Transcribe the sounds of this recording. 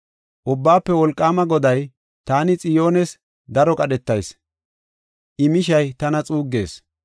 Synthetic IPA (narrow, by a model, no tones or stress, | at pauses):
ʔʊbːaːpːɛwɔlkʼːaːmɐɡɔd̪ɐj | t̪aːnɪt͡sʼɪjo̞ːnɛs | d̪ɐɾɔkʼɐɗɛt̪ːɐjs | ʔɪmɪʃɐjt̪ɐnɐt͡sʼuːɡːe̞̰ːs